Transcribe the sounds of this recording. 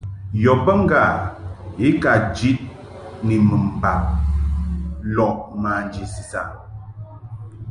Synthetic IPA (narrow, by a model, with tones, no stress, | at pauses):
jɔ˨pə˦ŋ̩˦ɡa˨i˦ka˨d͡ʒi˦t̚ | ni˨mə˨m̩˨ba˨ | lɔ˨ʔma˨n˦d͡ʒi˨si˨sa̰˨